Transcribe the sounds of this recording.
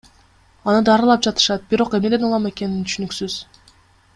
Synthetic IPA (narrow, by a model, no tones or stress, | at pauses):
ɑnɯd̪ɑɾɯlˠɑp̚d͡ʒɑt̪ɯ̥ʃɑt̪̚biɾo̞qe̞mned̪e̞nulˠɑme̞ke̞nint̪ʰy̥ʃynyksyz̥